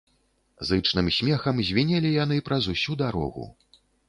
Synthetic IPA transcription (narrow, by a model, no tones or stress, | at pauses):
zɨt͡ʂnɨmsʲmʲɛxɐmzʲvʲinʲɛlʲijanɨpɾɐzusʲud̪aɾɔ̰ɣṵ